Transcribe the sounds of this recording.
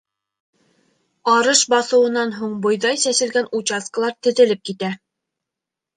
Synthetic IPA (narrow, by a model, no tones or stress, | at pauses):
ɑɾɤʃbɑθɤ̆wɤ̆nɑnɦuɴbŏjðɑjsæsɘ̆lɡænut͡ɕɑskə̆lˠɑɾt̪ɘ̆ðɘ̆lɘp̚kit̪æ